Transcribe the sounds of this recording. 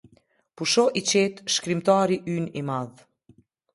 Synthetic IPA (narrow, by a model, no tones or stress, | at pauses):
puʃɔʔit͡ɕɛt̪ʃkɾimt̪aɾiʔynimað